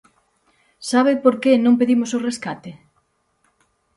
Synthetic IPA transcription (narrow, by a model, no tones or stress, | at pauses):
saβɪpoɾkenõŋpeðimosʊreskat̪e